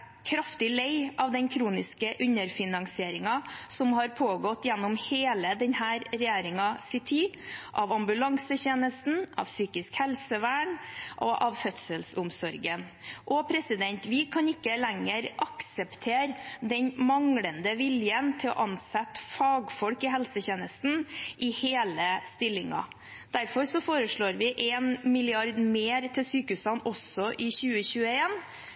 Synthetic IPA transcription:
kʰɾɑft̪ɪleɪʔɑʋd̪ɛnkʰɾuːnɪskəʔʉɲəɾfɪnɑŋsɪeːɾɪŋɑsɔmhɑɾpʰoːɡɔt̪ːjɛnːʊmheːləd̪ɛnhæːɾɾɛjeːɾɪŋɑsɪt̪ʰiː | ʔɑʋɑmbʉlɑŋsəçeːnəst̪n̩ɑ̰ʋsyːkɪskhɛlsəʋæːɳʔɔʔɑʋfœt̪səlsʊmsɔɾɡən | ʔɔpʰɾɛsɪd̪ɛnt̪ʋɪkʰɑnɪkːəlɛŋəɾʔɑksəpt̪ʰeːɾd̪ɛɲmɑŋɽənd̪əʋɪljənt̪ʰɪlɔ̰ʔɑnsɛt̪fɑːɡfɔlkɪɦɛlsəçeːnəst̪n̩ʔɪheːləst̪ɪlːɪŋɑ̰ | d̪æɾfɔɾsɔfoːɾəʂɭoːɾʋɪʔeːnmɪlɪɑɾd̪meːɾt̪ʰɪlsyːkəʉsɑnːɔsɔʔɪçʉːəçʉːəeːn

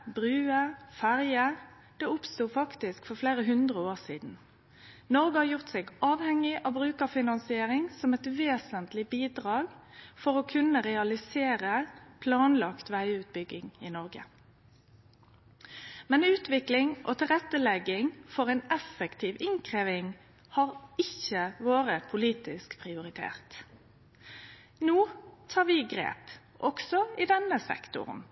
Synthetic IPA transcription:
bʁʉːəfæʁjə | d̪̥ɛːʊpst̪uːfɑkt̪ɪskfɔʁfleːʁəɦʉnd̪ʁəoːʁsiːd̪n̩ | nɔʁɡəhɑːjʊʁt̪seːɡʔɑːʋhɛŋɪʔɑʋbʁʉːkəʁfɪnɑnsɪeːɾɪŋsɔmɛt̪ʋeːsənt̪lɪbiːd̪ʁɑːɡfɔɾɔkʰʉnəʁɛɑlɪseːɾəpʰlɑːnlɑkt̪ʋæɪʉːt̪̚bʏɡːɪŋɪnɔʁɡə̰ | mɛnʉːt̪ʋɪklɪŋʔo̰t̪ʰɪlʁɛt̪ːəlɛɡːɪŋfɔʁɛːnɛfəkt̪ʰiːʋɪŋkʰʁeːʋɪŋ | hɑːʁɪçəʋoːʁəpʰʊliːt̪ɪskpʰʁɪʊʁɪt̪ʰḛːʁt̪ | noːt̪ʰɑːʁʋɪɡʁḛːp | ʔɔksɔɪd̪ɛnəsɛ̰kt̪ʊ̰ʁn

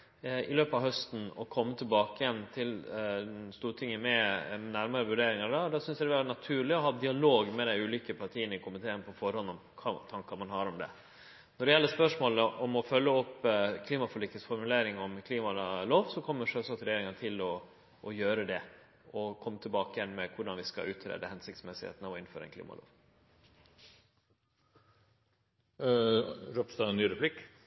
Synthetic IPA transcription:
ɪ̰løːpɑʋɦœst̪n̩ɔ̰kʰɔmːət̪ʰɪlbɑːkəjɛnːt̪ʰɪl | st̪uːɾʈʰɪŋːəmɛnæɾmɑɾəʋʉɖeːɾɪŋɑɾɖɑd̪ɑsʏnsjd̪ɛʋænɑt̪ʰʉːɭɪɔɦɑːd̪ɪɑloːɡmɛd̪æɪʉːliːkəpʰɑɾʈʰiːənəɪkʊmɪt̪ʰeːənpʰɔfɔɾhɔnɔmkʰɑt̪ʰɑŋkɑɾmɑnɦɑɾɔmd̪ɛ̰ | nɔɖɛjɛlːəspœʂmoːləʔɔmɔfœlːəɔpːkʰliːmɑfɔɭɪkt̪əsfɔɾmʉleːɾɪŋɔmkʰliːmɑloːʋsɔkʰɔmːəʂøːsɑsɾɛjeːɾɪŋɑnət̪ʰɪlɔ | ʔɔjøːɾəd̪ɛ | ɔkʰɔmːət̪ʰɪlbɑːkəjɛnːmɛkʰʊɖɑnʋɪskɑ̰ʉːt̪ʰɾḛːd̪əhɛnsɪkt̪smɛsɪhḛːt̪n̩ɑʋɔɪnføːɾə̰nklḭːmʔɑ̰lo̰ːʋ | ɾɔpst̪ɑɛnyːɾɛpʰlɪk

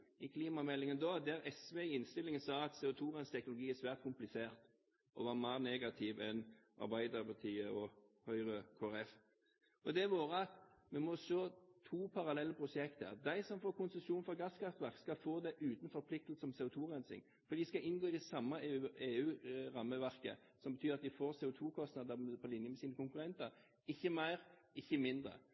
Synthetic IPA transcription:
ɪkʰliːmɑmɛlːɪŋənd̪ɔd̪æɾɛsʋeɪnst̪ɪlːɪŋənsɑːɑt̪sɛːʊt̪ʰuːʁɛnst̪ʰɛk̚nʊlʊɡiːæsʋæːʁt̪̚kʰʊmplɪseːɾt̪ | ʔɔʋɑːɾmæːɾneːɡɑt̪ʰɪʋɛnʔɑ̰ɾbæɪd̪əɾpɑt̪ʰiːəɔhœʏʁəkʰoːæɾɛf | ɔd̪ɛʋoːɾəɑt̪mɛmɔʃøːt̪ʰuːpʰɑɾɑlɛlːəpʰɾʊsɛkt̪ə̰d̪æɪsɔmfoːɾkʊnsəʃuːnfɔɡɑskʰɑft̪ʋæɾkskɑlfoːd̪ɛʔʉːt̪n̩fɔɾpʰlɪk̚t̪əl̩səɔmseːʊt̪ʰuːʁɛnsɪ̰ŋ | fɔɾd̪iːskɑʔɪnɡoːɪd̪ɛsɑmːɑeːʉːɾɑmːəʋæʁkə̰ | sɔmbət̪ʰyːɾɑt̪̚d̪ɪfoːɾseːʊt̪ʰuːkʰɔst̪nɑd̪əpʰɔlɪnjəmɛsiːnəkʊŋkʉɾɛnt̪əɾ | ɪçːəmæɪɾɪçːəmɪnd̪ɾə̰

